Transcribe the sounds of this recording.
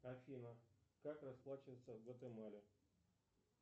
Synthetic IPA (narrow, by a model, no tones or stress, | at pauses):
ɐfʲinəkakrɐsplˠat͡ɕɪvəjt̪səvbɛt̪əjmalʲɪ